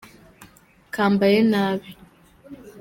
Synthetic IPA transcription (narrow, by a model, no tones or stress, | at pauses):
kaːmbajenaːβi